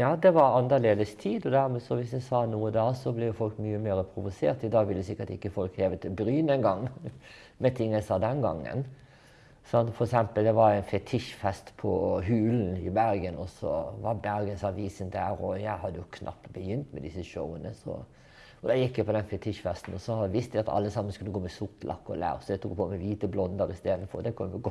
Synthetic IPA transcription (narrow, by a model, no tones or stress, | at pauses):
jɑːd̪ɛʋɑɾɑnd̪əleːd̪əst̪ʰiːd̪ɔd̪æɾmɛsɔʋɪsjæɪsɑːnuːəd̪ɑːsɔblɛjʊfɔlkmyːəmeːɾəpʰɾʊʋʊseːɾt̪ɪd̪ɑːɡʋɪlːəsɪkːət̪ɪkːəfɔlkheːʋət̪ʰɪlbɾyːnɛnɡɑŋː | mɛt̪ʰɪŋːəlsɑd̪ɛnɡɑ̰ŋːə̰n | sɑnt̪fɔɾɛksɛmpəld̪ɛʋɑɾæɪnfɛt̪ʰɪʂfɛst̪pʰɔɦʉːln̩ɪbæɾɡənɔsɔ̰ʋɑɾbæɾɡənsɑʋiːsənd̪æːɾɔjæɪɦɑd̪əjʊkʰnʔɑ̰pt̪bəjʏnt̪mɛd̪ɪsːəʃɔʊənəsɔ̰ | ɔd̪ɑjɪkːjæɪpʰɔd̪ɛnfɛt̪ʰɪʂfɛst̪n̩ɔsɔhɑʋɪst̪ʋæɑt̪ʰɑ̰lːəsɑmːən̩skʉlːəɡoːmɛsʊkːlʔɑ̰kːɔ̰læ̰ːɾsɔd̪ɛɪt̪ʰuːk̚pʰomɛʋiːt̪əblɔnd̪əɾɪst̪eːd̪nfɔ̰ɾd̪ɛkʰʉnːʋɪɡɔ